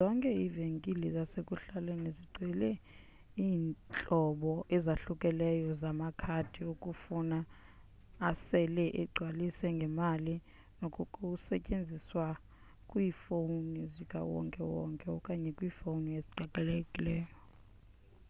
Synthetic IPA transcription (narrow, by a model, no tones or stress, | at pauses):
zɔŋkʼɛiveŋkʼilizasekʼuɬalweniziɡ͡ǀʱwɛlɛ | iːnt͡ɬʼɔɓɔʔɛzaɬukʼɛlɛjɔzamakʰad̥ʰʱiokʼufunaː | asɛlɛʔɛɡ͡ǀʱwalisɛŋɡʱɛmali | nokʼukʼusɛcʼend͡zʱiswa | kʼwiːfounizikʼa̰wɔ̰ŋkʼɛwɔ̰ŋkʼɛɔkʼaɲɛkʼwiːfounijesi̥ǃakʼɛlekʼilɛːjɔ